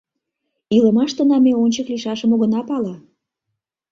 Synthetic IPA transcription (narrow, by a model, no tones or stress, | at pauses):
iləmɑʃt̪ənɑmeonʲt͡ɕəkliʃɑʃəmoɣə̆nɑpɑlɑ